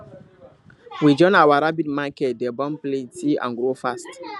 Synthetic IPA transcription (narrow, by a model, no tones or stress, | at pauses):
wid͡ʒɔ̃nawaɾabitmakɛt̚dɛbɔ̃mplẽtiã̰nɡɹofast